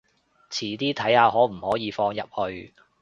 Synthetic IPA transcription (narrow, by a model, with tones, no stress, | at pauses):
t͡sʰiː˨˩t̪iː˥t̪ʰɐ˨˥jhaː˨˧ɦɔː˨˥m̩˨˩hɔː˨˥jiː˨˧fɔː˧ŋjɐ˨p̚hɵ˧ɥ